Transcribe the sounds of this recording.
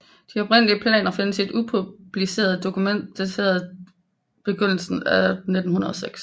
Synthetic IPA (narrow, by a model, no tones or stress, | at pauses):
d̥iɒ̽b̥ʁen̰əliəpʰlɛ̰ːnɐfe̝nəsid̥upʰub̥lise̝̰ːɐð̞̩ˠd̥o̝kʰumen̰d̥d̥æt͡sʰe̝̰ːɐðˠ | b̥e̝ɡ̥øn̰l̩sn̩æne̝d̥n̩hunɐð̞ˠɐseɡ̥s